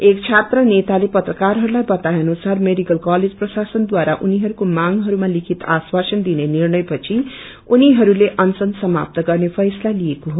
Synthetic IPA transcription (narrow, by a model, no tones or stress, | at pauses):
ekt͡sʰat̪rʌnet̪alepʌt̪rʌkarɦʌɾulajbʌt̪ajʌnusarmeɖikʌlkaled͡zprʌsasʌnd̪waɾaʔuniɦʌɾukomaŋɦʌɾumalikʰit̪a̰swasʌnd̪inenirnʌjpʌt͡sʰi | uniɦʌɾuleʔʌnsʌnsʌma̰p̚t̪ʌɡʌrnepʰʌjslalijekoɦo